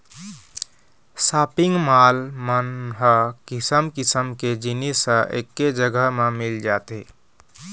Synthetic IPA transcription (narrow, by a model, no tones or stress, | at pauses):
sapiŋɡmalmənɦəkisəmkisəmked͡ʒinisə̃ʔḛkːed͡ʒəɡəɦmemild͡ʒat̪e